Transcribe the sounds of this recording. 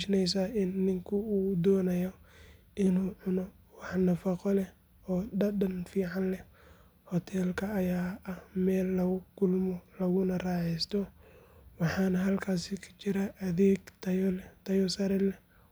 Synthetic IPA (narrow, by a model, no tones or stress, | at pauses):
ʃnɛjs̬aɪnːɪŋkʰʊuːd̪ɔːnɐjɔ | ʔɪnuːʕʊnɔ | wɑħnɐfɑqɔlɛ | ɔːɖɐdɐnfiːʕɑnlɛ | hɔt̪ʰɛːlkʰɐːjaːɐhmɛːlːɐɣʊkʰʊlmɔlɐɣʊnɐraːʕɛjst̪ʰɔ | wɑħɑːnɐɦɐlkʰaːsɪkʰɐ̥t͡ʃɪɾɐʔɐðeːɡt̪ʰɐjlt̪ʰɐjɔsɐɾɛlɛ